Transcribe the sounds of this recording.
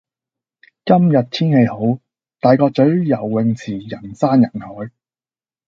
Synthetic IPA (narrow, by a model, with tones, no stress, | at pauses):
kɐ˥mjɐ˨t̚t̪ʰiː˥nhe˧jho˨˥w | t̪aː˨jkɔː˧k̚t͡sɵ˨˥ɥjɐ˨˩wːɪ˨˧ŋt͡sʰiː˨˩jɐ˨˩nsaː˥njɐ˨˩nhɔː˨˥j